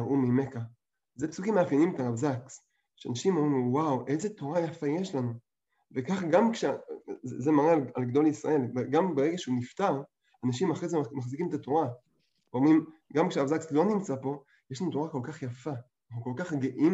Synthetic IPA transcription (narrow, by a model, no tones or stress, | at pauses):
ʔumimeka | zepsukimeafjenimet̪aʁavzaks | ʃeanaʃimomʁimwawʔe̞zet̪o̞ʁajafaje̞ʃlanu | vekaχɡamkʃezemaʁealalɡd̪o̞lisʁa̰e̞leɡambeʁeɡaʃeunift̪aʁ | anaʃimaχezemaχzikimet̪ato̞ʁa | veomʁimɡamkʃeaʁavzakslo̞nimt͡sapo̞ | jeʃlanut̪o̞ʁako̞lkaχjafa | naχnuko̞lkaχɡeʔim